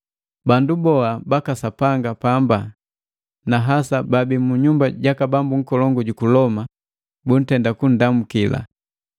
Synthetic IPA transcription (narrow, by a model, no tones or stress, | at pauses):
bandubɔabakasapaŋɡapamba | naɦasababimuɲumbaɟakabambuŋ̩kɔlɔŋɡuɟukulɔma | bun̩tɛndakun̩damukila̰